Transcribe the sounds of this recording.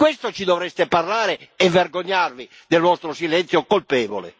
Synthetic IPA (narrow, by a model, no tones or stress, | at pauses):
kwɛst̪ot͡ʃid̪ɔvɾɛst̪ɛparlaːɾɪɛvːɛrɡoɲːarvi | d̪ɛlvɔst̪ɾosilɛnt̪sjokolpɛːvɔ̰lɛ̰